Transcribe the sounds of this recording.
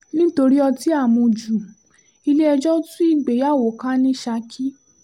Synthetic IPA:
nĩ˦to˧ɾi˦ɔ˧ti˦a˦˨mũ˧d͡ʒu˨ | i˧le˦ɛ˧d͡ʒɔ˦tũ˦i˦˨ɡ͡be˨ja˦˨wo˨kã˦nĩ˦ʃa˧˦kʰi˦

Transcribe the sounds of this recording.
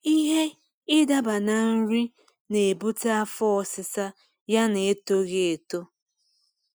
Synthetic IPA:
i˦ɦe˦ | ɪ˦da˦ba˨na˨n̩˦ɾi˦ | ne˨e˨bu˦ta˦a˦fɔ˦ɔ˨sɪ˦sa˦ | ja˦ne˨e˦to˦ɣe˦e˨to˦

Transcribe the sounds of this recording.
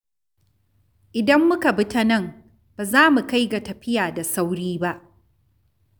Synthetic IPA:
ʔɪ˨dɐ˦mːʊ˦ka˨bɪ˦ta˦nɐ˦˨ŋ | b̥aː˨zaː˦mu˨ka˦jɡa˨tɐ˨ɸɪ˦jaː˨da˨sa˦wɽiː˦ba˦ʔ

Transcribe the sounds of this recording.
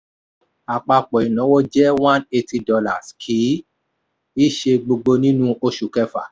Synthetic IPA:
a˨k͡pa˧k͡pɔ˨i˨nã˨˦wo˦d͡ʒɛ˦wã˦ne˧ti˧dɔ˧la̰˨skʰi˨˦ | i˦˨ʃe˧ɡ͡bo˧ɡ͡bo˧nĩ˦nũ˦o˧ʃu˨kɛ˧fa̰˨

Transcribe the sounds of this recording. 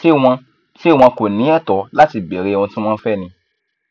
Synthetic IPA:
e˦wã˧ | ʃe˦˨w̃ɔ̃˧ko˨nĩ˨˦ɛ˦˨tɔ˨˦la˦ti˧˨bɛ˨ɾe˦˧w̃ɔ̃˧tĩ˦w̃ɔ̃˦fɛ˦˨nĩ˧

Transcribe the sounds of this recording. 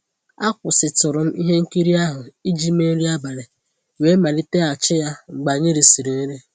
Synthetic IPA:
a˦kʷʊ˨sɪ˨tʊ˨ɾʊ˨m̩˦i˦ɦe˦ŋ̩˦ki˦ɾi˦a˦ɦʊ˨i˦d͡ʒi˦me˦ɾi˦a˦ba˨ɾe˨ | we˦ma˨li˦te˦a˨t͡ʃɪ˦ja˦ŋ͡m̩˨ɡ͡ba˨ɲe˦ɾi˨si˨ɾi˨ne˦ɾe˦

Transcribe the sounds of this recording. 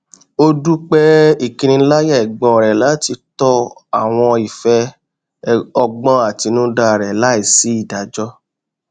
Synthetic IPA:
o˧du˦k͡pɛ˦i˨kĩ˨˧ñĩ˧˦la˦jɛ˦ɛ˨ɡ͡bɔ̃˨ɾɛ˨la˨˦ti˧tɔ˧a̰˨w̃ɔ̃˧i˨fɛ˧˦ | ɔ˧ɡ͡bɔ̃˧˦a˨ti˧nũ˦da˧˨ɾɛ˨la˦i˦˨si˨˦i˦˨da˨d͡ʒɔ˦

